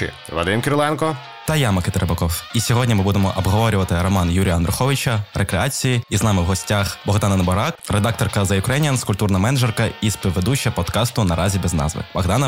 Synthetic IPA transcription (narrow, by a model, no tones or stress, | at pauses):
ɪ̰ | ʋɐ̰d̪ɪmkʲeɾʊlˠɛnkɔ | t̪ɐjamɐkɪt̪ɐɾɐbɐkɔwisʲɔɦɔdʲnʲimɨbud̪emɔʔɔbɦɔʋɔɾʲʊʋɐt̪ɪɾɔmɑnjuɾʲijɐnd̪ɾʊxɔʋʲit͡ʃɐrekɾeɑt͡sʲijiiznɑmɪwɦɔsʲtʲaxbɔɣd̪ɑnɐnɐbɔɾɑkred̪ɑk̚t̪ɔrkɐzɐjɪkɾɛnʲjɐnskʊlʲt̪urnɐmɛnɐʒɛrkɐispʲiʋed̪ut͡ʃːɐpɔd̪kɑst̪ʊnɐɾɑzʲibɛznɑ̰zʋɪ̰bɐɣd̪ɑnɐ